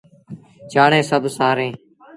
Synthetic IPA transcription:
t͡ʃaːɳẽːsəbʱsaːɾẽː

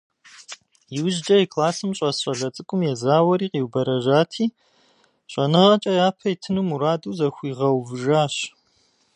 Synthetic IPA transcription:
jiwʊʒd͡ʒɐɛkʰlaːsɨmɕʼɐsɕʼɐɮɐt͡sʼɨkʷʼʊmjɛzaːwɐɾiːqiwbɐɾɐʒaːtʰiː | ɕʼɐnɨʁɐt͡ʃʼɐjaːpʰɐitʰɨnumuɾaːduːzɐxʷiːʁɐwvɨʒaːɕ

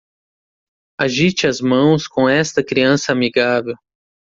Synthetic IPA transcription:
aʒit͡ʃɪɐzmɐ̃w̃skõɛst̪ɐkɾiɐ̃sɐamiɡavew

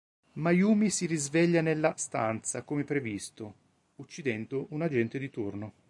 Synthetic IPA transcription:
majuːmisiɾizvɛʎːanelːast̪a̰nt̪sakomepɾevist̪o | ut͡ʃːid̪ɛnd̪oʔunad͡ʒɛnt̪ed̪it̪urno

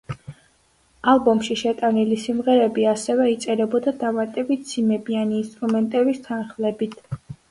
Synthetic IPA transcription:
alˠbɔmʃiʃɛt̪ʼanilisimʁɛɾɛbiasɛvɛit̪sʼɛɾɛbɔd̪ad̪amat̪ʼɛbit̪̚ʰd̪z̥imɛbianiːnst̪ʼɾumɛnt̪ʼɛbist̪ʰanχlɛbit̪ʰ

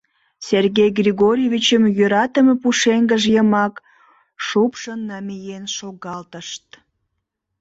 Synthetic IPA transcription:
sʲerɣejɡrʲiɣoɾʲjevʲit͡ɕəmjøɾɑt̪əmepuʃeŋɡəʒjəmɑk | ʃupʃənːɑmijenʃoɣɑlt̪əʃt̪̚

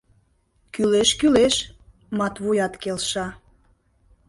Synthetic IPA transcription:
kyleʃkyleʃ | mɑt̪βujɑt̪kelʃɑ

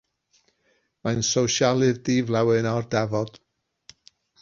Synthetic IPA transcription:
mansowʃalˠɨðdiːvlˠawɨnɔrdɛvɔd̥

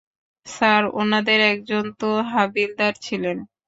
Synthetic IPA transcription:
saɾo̰nad̪eɾɛk̚d͡ʑont̪oɦabild̪aɾt͡ɕʰilen

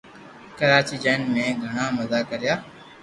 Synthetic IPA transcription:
kəɾaːt͡ʃiːd͡ʒaːnmẽɡʱəɽ̃ãːməzaːkəɾjaː

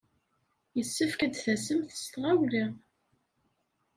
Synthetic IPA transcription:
jəsːəfkəd̪θæsəmθst̪ʁawli

